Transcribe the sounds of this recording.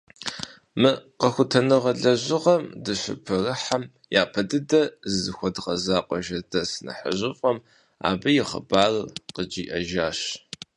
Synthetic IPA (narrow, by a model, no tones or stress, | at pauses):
mɨqɐxʷʊtʰɐnɨʁɐɮɐʑɪʁɐmdɨʃʷʊ̰pʰɨrɨħam | jaːpʰɐdɨdɐzɨzɨxʷɔdqɐzaːqʷʼɔʒɐdɐsɨnɐ̰ħə̰ʑɪfʼɐm | a̰ːbɐjɪχɐ̰baːrɨqəd͡ʒiːʔɐʒaːɕ